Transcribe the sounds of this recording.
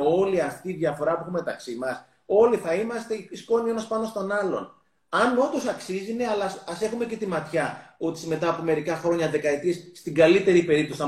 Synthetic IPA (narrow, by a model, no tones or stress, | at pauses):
o̞liɐft̪iːðʝɐfo̞ɾɐpuexume̞t̪ɐksimɐs | o̞liθɐimɐst̪e̞ispo̞nie̞nɐspɐno̞st̪o̞nɐlo̞̰n | ɐno̞d̪o̞sɐksizine̞ɐlɐsɐse̞xume̞ce̞t̪imɐt̪çɐot̪i̥sme̞t̪ɐːpome̞ɾikɐxɾo̞ɲɐðe̞kɐit̪ɾisːt̪iɡɐlit̪e̞ɾipe̞ɾipt̪osθɐ